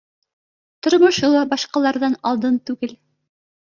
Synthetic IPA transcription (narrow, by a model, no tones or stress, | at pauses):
t̪ŏɾmŏʃɤlˠɑbɑʃqɑlˠɑɾðɑnɑlˠd̪ɤnt̪ʉɡɘl